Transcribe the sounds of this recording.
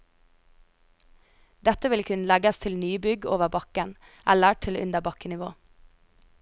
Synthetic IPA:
d̪ɛt̪əʋɪlkʰʉnlɛɡəst̪ʰɪlnyːbʏɡoːʋəbɑkən | ʔæləʈʰɪlʉ̰nd̪əbɑkənɪʋo̰ː

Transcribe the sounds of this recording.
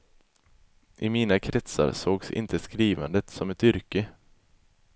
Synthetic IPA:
ʔɪmiːnakʰɾɛt̪sa̰ɾsoːɡsɪ̰nt̪ʰəskɾiːvand̪ət̪sɔmɛt̪ʏɾkə

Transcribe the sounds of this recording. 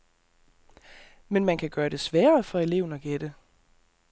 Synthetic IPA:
menmænkʰæɡ̥ɶːɐd̥e̝sʋæːɐfɒ̽e̝le̝ʊn̩ɒ̽ɡ̥ed̥ə

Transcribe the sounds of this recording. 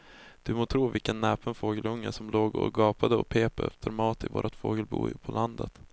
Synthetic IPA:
d̪̥ɵmoːt̪ʰɾuːvɪlkənːɛːpənfoːɡəlɵŋːəsɔmloːɡɔ̰ɡɑːpad̪əɔpʰeːpɛ̰ft̪ʰəɾmɑːt̪ɪvo̰ːɾʔat̪foːɡəlbṵːpʰɔlʔand̪ət̪

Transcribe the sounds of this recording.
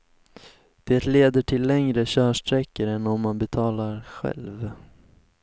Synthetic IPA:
d̪̥eːt̪leːd̪əʈʰɪlːɛŋɾəɕœːʂʈɾɛkːəɾɛnːɔmːanbɛt̪ʰɑːlaɾɧɛ̰lv

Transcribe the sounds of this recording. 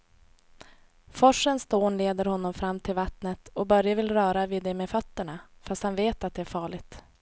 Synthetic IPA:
fɔʂːənst̪oːnleːd̪əɾhɔnːɔmfɾamːt̪ʰɪlvat̪nət̪ɔbœɾjavɪlɾœːɾaviːd̪ːɛmɛfœt̪ːəɳafast̪hanveːt̪at̪̚d̪ɛæɾfɑːɭɪɡt̪

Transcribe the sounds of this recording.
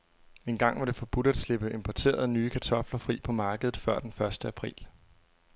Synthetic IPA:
e̝nɡ̥ɑ̈ŋ̰ʋɑ̈ɾ̥e̝fɒ̽b̥ud̥æd̥sle̝b̥əe̝mpʰɒt͡sʰe̝̰ːɐð̞̩ˠnyːkʰæt͡sʰɒ̽flɐfʁḭːpʰɒ̽mɑ̈ːɡ̥əð̞̩ˠfɶɐ̰d̥enfɶɐsd̥əæpʰʁḭːl

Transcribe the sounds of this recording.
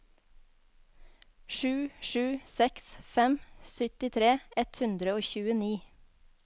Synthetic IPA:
ʃʉːʃʉːsɛksfɛmsʏt̪ɪt̪ʰɾeːɛt̪hʉnd̪ɾəoːçʉːəniː

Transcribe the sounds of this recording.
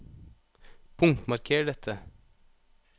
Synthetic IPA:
pʰʊŋt̪mɑɾkʰeːɖɛt̪ʰə

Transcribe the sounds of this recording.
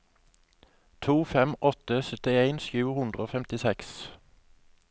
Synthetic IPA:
t̪ʰuːfɛmʔɔt̪əsœt̪ɪeɪnʃjʉːhʉnd̪ʁəoːfɛmt̪ɪsɛks

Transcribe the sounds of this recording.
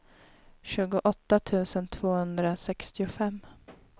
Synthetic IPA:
ɕʉ̟ːɡʊʔɔt̪ːat̪ʰʉ̟ːsənt̪ʰv̥oːhɵnd̪ɾasɛkst̪ɪʊfɛmː

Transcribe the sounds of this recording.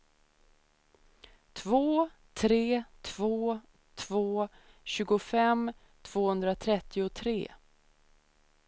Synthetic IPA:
t̪ʰvoː | t̪ʰɾeːt̪ʰvoː | t̪ʰvoː | ɕʉ̟ːɡʊfɛm | t̪ʰv̥oːhɵnd̪ɾat̪ʰɾɛt̪ʰːɪʊt̪ʰɾḛː

